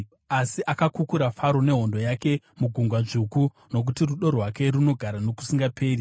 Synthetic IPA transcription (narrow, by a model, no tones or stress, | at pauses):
asiʔakakukuɾafaɾo̞ne̞ɦo̞ndo̞jake̞ | muɡʱuŋɡwaʐuku | no̞k̬utiruɗo̞rɦwake̞ɾuno̞ɡʱaɾano̞ku̥siŋɡapʰe̞ːri